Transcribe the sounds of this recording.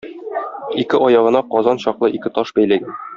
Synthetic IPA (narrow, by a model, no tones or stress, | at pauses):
ikɘʔɒjɑʁɤ̆nɑqɒzɑnɕɒqlˠɤʔikɘt̪ɒʃbæjlæɡæn